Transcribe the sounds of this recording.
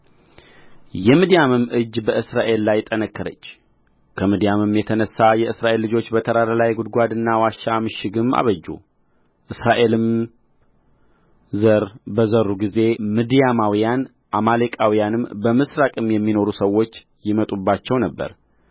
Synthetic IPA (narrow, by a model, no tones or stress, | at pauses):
jɛmɨd̪ijamɨmʔɨd͡ʒbəɨsɾaʔe̞lːajt̪ʼənəkːəɾət͡ʃː | kʰəmɨd̪ijamɨmjɛt̪ʰənəsːajɛɨsɾaʔe̞lːɨd͡ʒo̞t͡ʃːbət̪ʰəɾaɾalajɡud̪̚ɡʷad̪ɨnːawaʃːamɨʃɪɡɨma̰βəd͡ʒːṵ | ʔɨsɾaʔe̞lɨm | zəɾbəzəɾːuɡize̞mɨd̪ijamawijan | ʔamalekʼawijanɨmbəmɨsɾakʼɨmjɛmːino̞ɾusəwːo̞t͡ʃː | jɪmət̪ʼubːat͡ʃːɛwnəbːə̰ɾ